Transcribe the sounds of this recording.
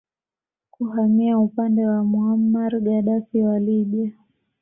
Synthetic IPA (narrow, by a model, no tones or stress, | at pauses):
kuhamiaupandɛwamuamːaɾɠaɗafiwaliɓija